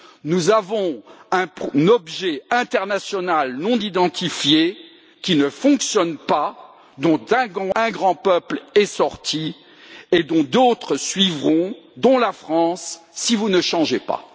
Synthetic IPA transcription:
nuzavɔ̃ɛ̃nɔbʒɛɛ̃t̪ɛʁnasjɔnalnɔ̃nid̪ɑ̃t̪ʰifje | kʲinəfɔ̃ksjɔnpa | d̪ɔ̃t̪ɛ̃ɑ̃ɛ̃ɡʁɑ̃pœplɛsɔʁt̪ʰi | ed̪ɔ̃d̪ot̪χəsɥivʁɔ̃d̪ɔ̃lafχɑ̃sːivunəʃɑ̃ʒepa̰

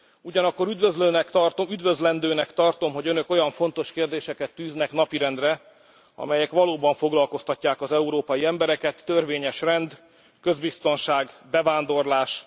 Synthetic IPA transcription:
uɟɒnɒkːo̞ɾyd̪vøzløːnɛkt̪ɒrt̪oyd̪vø̞zlɛnd̪øːnɛkt̪ɒrt̪o̞mɦo̞ɟønøko̞jɒɱfo̞nt̪o̞ʃkeːrd̪eːʃɛkɛt̪ːyːznɛkn̪ɒpiɾɛnd̪rɛ | ɒ̰mɛjɛkʋɒloːbɒɱfo̞ɡlɒlko̞st̪ɒcːaːkɒzɛuɾoːpɒjiɛmbɛɾɛkɛt̪ːørveːɲɛʃrɛnd̪ | kø̞zbist̪o̞nʃaːɡbɛvaːnd̪o̞rlaːʃ

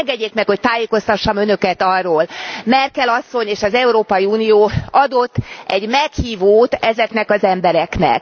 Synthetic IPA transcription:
ŋɡɛɟːeːkmɛkho̞c̚t̪aːjeːko̞st̪ɒʃːɒmønø̞kɛt̪ɒrːoːlmɛrkɛlɒsːo̞ɲeːʃɒzɛuɾoːpɒjiuːnijoːɒd̪o̞t̪ːɛɟmɛkhiːvoːt̪ɛzɛknɛkɒzɛmbɛɾɛknɛ̰k̚

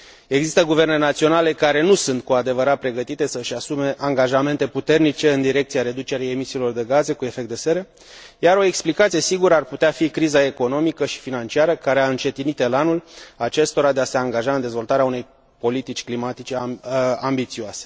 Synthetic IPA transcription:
e̞ɡzist̪əɡuve̞rnenat̪sio̞nale̞kaɾe̞nusunt̪̚kuad̪e̞vəɾat̪̚pɾe̞ɡət̪it̪e̞səʃasume̞ʔaŋɡaʒame̞nt̪e̞put̪e̞rnit͡ʃe̞ɨnd̪iɾe̞k̚t̪siaɾe̞d̪ut͡ʃe̞ɾeje̞misiːlo̞rd̪e̞ɡaze̞kue̞fe̞k̚t̪d̪e̞se̞ɾə | jaɾo̞e̞ksplikat̪sije̞siɡuɾəarput̪eafikɾizae̞ko̞no̞mikəʃi̥finant͡ʃiaɾəkaɾe̞aɨnt͡ʃe̞t̪init̪elanulat͡ʃe̞st̪o̞ɾad̪e̞ase̞aŋɡaʒaɨnd̪e̞zvo̞lt̪aɾeaune̞j | po̞lit̪it͡ʃʲklimat̪it͡ʃe̞ambit̪sioase

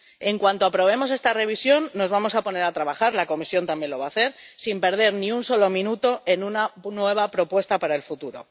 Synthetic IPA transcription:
e̞ŋkwant̪oapɾo̞β̞e̞mo̞s̬e̞st̪are̞β̞isjo̞nːo̞zβamo̞sapo̞ne̞ɾat̪ɾaβaxaɾlako̞misjo̞nt̪ambje̞nlo̞β̞aːθe̞ɾsimpe̞ɾðe̞ɾnĩunso̞lo̞mĩnut̪o̞ʔe̞nunanwe̞β̞apɾo̞pwe̞st̪apaɾae̞lfut̪uɾo̞̰

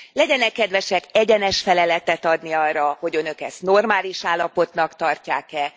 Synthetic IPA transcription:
lɛɟɛnɛkːɛd̪ʋɛʃɛkɛɟɛnɛʃfɛlɛlɛt̪ɛt̪ɒd̪niɒrːɒho̞ɟø̞nø̞kɛst̪no̞rmaːliʃaːlːɒpo̞t̪nɒkt̪ɒrcaːkɛ

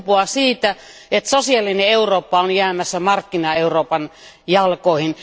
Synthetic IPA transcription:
puɑsiːt̪æ | et̪sosiɑlːineeuroːpːɑonjæːmæsːæmɑrkːinɑeuroːpɑn | jɑlkoˑihin

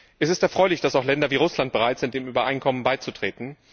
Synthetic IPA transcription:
ʔɛsɪstɛɐfʁ̥ɔʏlɪçd̥asaʊxlɛndɐviːʁ̞ʊslant̚b̥əʁaɪtz̥ɪntd̥eːmyːbɐʔaɪnkʰɔmənbaɪt͡sutʁ̥eːtn̩

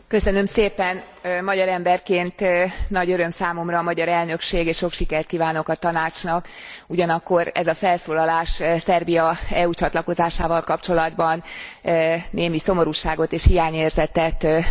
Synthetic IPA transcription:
kø̞sø̞nø̞mseːpɛn | mɒɟɒɾɛmbɛrkeːnt̪nɒɟøɾø̞msaːmo̞mrɒːmɒɟɒɾɛlnø̞kʃeːɡeːʃʃo̞kʃikɛrt̪̚kiːvaːno̞kɒt̪ɒnaːt͡ʃnɒk | uɟɒnɒkːo̞ɾɛ̰zɒfɛlsoːlɒlaːʃsɛrbijɒɛuːt͡ʃɒt̪lɒko̞zaːʃaːvɒlkɒpt͡ʃo̞lɒd̪bɒn | neːmiso̞mo̞ɾuʃaːɡo̞t̪eːʃhijaːɲeːrzɛt̪ɛt̪

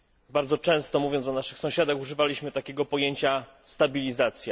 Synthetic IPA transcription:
baɾd̪zɔt͡ʂɛ̃w̃st̪ɔmuvʲjɔnt̪ɔnaʂɘxsɔ̃w̃ɕad̪axuʐɘvalʲiɕmɘt̪akʲeɡɔpɔjeɲt͡ɕa | st̪abʲilʲizat̪sʲja

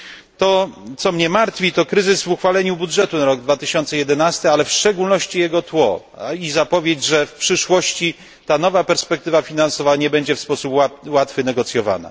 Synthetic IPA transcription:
t̪ɔt̪sɔmɲɛmaɾt̪fʲit̪ɔkɾɘzɘzvuxfalɛɲubudʐɛt̪unaɾɔɡ̚d̪vat̪ɘɕɔnt̪sɛjɛd̪ɛnast̪ɘalɛfʂt͡ʂɛɡulnɔɕt͡ɕijɛɡɔt̪wɔ̰ | izapɔvʲjed͡ʑʐɛfpʂɘʂwɔɕt͡ɕi | t̪anɔvapɛɾspɛk̚t̪ɘvafʲinansɔvaɲɛbɛɲd͡ʑɛfspɔsupwawat̪fɘnɛɡɔt̪sʲjɔva̰na̰

